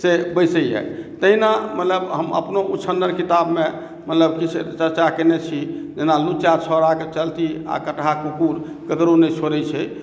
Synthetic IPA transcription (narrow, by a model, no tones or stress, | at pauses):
sebəjsəjɦɛ̰t̪əɦinamət̪ləbɦəmə̰pnoʔut͡ʃʰənːəɾkit̪abmẽ | mət̪ləb̚kit͡ʃʰt͡ʃəɾt͡ʃakenet͡ʃʰid͡ʒenalut͡ʃat͡ʃʰɔɾaket͡ʃəlt̪ia̰kəʈɦakukuɾ | kəkɾonɛt͡ʃʰoɾət͡ʃʰɛ